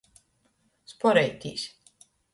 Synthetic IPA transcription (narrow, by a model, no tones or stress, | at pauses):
spɔɾɛjt̪ʲiːsʲ